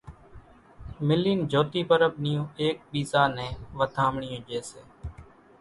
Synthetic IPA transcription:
mɪlːiːnd͡ʒʱoːt̪iːpəɾəɓ̚nɪjõːeːk̚ɓiːsaːnẽːʋət̪ʰaːmɳɪjõːd͡ʒeːsḛː

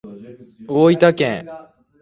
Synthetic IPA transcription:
oit̪akẽŋ

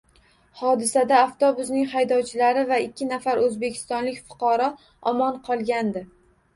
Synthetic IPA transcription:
hɒd̪ɪsad̪aːft̪obʊznɪŋhajd̪ɒwt͡ʃʰɪlaɾɪvaɪkʲʰːɪnafaɾɵzbe̞kʲʰɪ̥st̪ɒnlɪkʲfʊ̥qʰɑɾɒ | ɒmɒnqʰɒlˠɡʲand̪ɪ

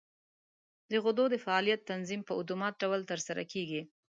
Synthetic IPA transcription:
d̪əɣʊd̪od̪əfaɑlijat̪ːanzimpəʊd̪umɑt̪̚ɖawəlt̪əɾsaɾa̰keɡi

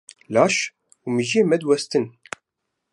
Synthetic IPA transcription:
laːʃ | umiʒeːmɛd̪wɛst̪ɨn

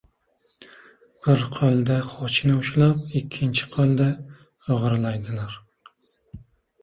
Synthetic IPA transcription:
b̥ɪɾqʰolˠd̪aqʰɒt͡ʃʰnɪʊʃlapɪkʲʰːɪnt͡ʃʰɪ̥qʰolˠd̪a | oʁɾlajd̪ɪlaɾ

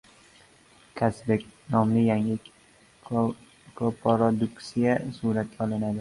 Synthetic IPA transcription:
kʲʰasbek̚ʲnɒmlɪjaŋɪ | kʰopʰoɾod̪ʊksijasuɾat̪̚ɡʲaɒlˠɪnad̪ɪ

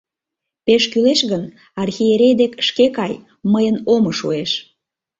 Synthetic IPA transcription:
peʃkyleʃɣən | ɑrxieɾejd̪ekʃkekɑj | məjənomoʃueʃ

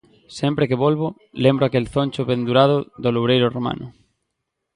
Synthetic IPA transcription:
sempɾekeβolβo | lembɾoakelθonʲt͡ʃoβẽnd̪uɾaðoðoloβɾejɾʊromã̰nʔʊ̰

